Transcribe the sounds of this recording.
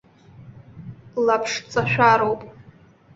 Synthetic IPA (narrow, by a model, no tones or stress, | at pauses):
lapʰʂt͡sʼaʃᶣʷaɾowpʼ